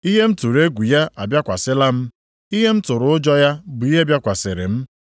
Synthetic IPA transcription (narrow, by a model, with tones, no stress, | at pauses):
i˦ɦe˦m̩˦tu˨ɾe˦ɡʷu˨ja˦ʔa˨bja˦kʷa˨sɪ˦la˦m̩˦ | i˦ɦe˦m̩˦tʊ˨ɾʊ˨ʊ˦d͡ʒɔ˦ja˦bʊ˨i˦ɦe˦bja˦kʷa˨sɪ˨ɾɪ̰˨m̩˦